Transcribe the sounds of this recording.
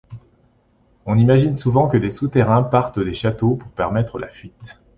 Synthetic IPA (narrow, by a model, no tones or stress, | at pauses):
ɔ̃nimaʒinsuvɑ̃kəd̪esut̪eʁɛ̃paʁt̪əd̪eʃat̪opuʁpɛʁmɛt̪χəlʔa̰fɥit̪